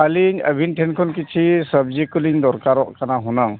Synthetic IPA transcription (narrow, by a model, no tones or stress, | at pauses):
aliɲə̰bʱinʈʰɛnkʰɔnkit͡ʃʰisəb̚d͡ʒikuliŋd̪ɔɾkaɾɔʔkanaɦunaŋ